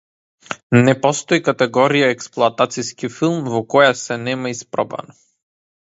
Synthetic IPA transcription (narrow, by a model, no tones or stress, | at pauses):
nɛpɔst̪ɔikat̪ɛɡɔɾijaɛksplˠoat̪at̪siskifilˠmvɔkɔjasɛnɛmaispɾɔba̰nɔ